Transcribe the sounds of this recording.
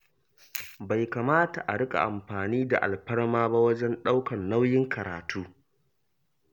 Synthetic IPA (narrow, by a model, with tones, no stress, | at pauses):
ba˨jka˨maː˦ta˨ʔa˨ɽɪ˦kʼa̰˨ʔa˨mɸaː˨niː˦da̰˨ʔa̰˨lɸɐ˦ɽmaː˦ba˦wɐ˦d͡ʒɛ˦nɗa˦wkɐ˨nːa˦wjɪ˦ŋkʰɐ˨ɾa̰ː˨tʰuː˦